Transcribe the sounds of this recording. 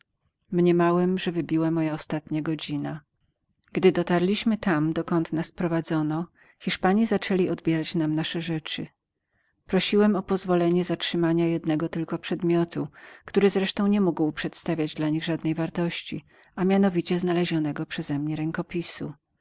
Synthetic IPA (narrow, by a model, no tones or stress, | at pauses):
mɲɛmawɛmʐɛvɘbʲiwamɔjaɔst̪at̪ɲaɡɔd͡ʑina | ɡ̥d̪ɘd̪ɔt̪aɾlʲiɕmɘt̪amd̪ɔkɔnt̪naspɾɔvad̪zɔnɔ | xʲiʂpaɲizat͡ʂɛlʲiɔd̪bʲjɛɾat͡ɕnamnaʂɛʐɛt͡ʂɘ̰ | pɾɔɕiwɛmɔpɔzvɔlɛɲɛzatʂɘmaɲajɛd̪nɛɡɔt̪ɘlkɔpʂɛd̪mʲjɔt̪ukt̪uɾɘzɾɛʂt̪ɔ̃w̃ɲɛmuɡwpʂɛt̪st̪avʲjad͡ʑd̪laɲiɣʐad̪nɛjvaɾt̪ɔɕt͡ɕḭ | amʲjanɔvʲit͡ɕɛznalɛʑɔnɛɡɔpʂɛzɛmɲɛɾɛŋkɔpʲisu